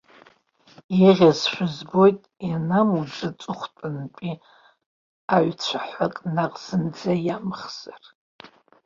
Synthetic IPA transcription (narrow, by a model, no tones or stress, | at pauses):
jaʁʲazʃʷᶣʊzbo̞jtʼjanamud͡zat͡sʷʼʊχʷtʼɨnpʼi | aʕt͡ɕʷʰaħʷakʼnaqʼz̥ɨnd͡zajamχz̥ar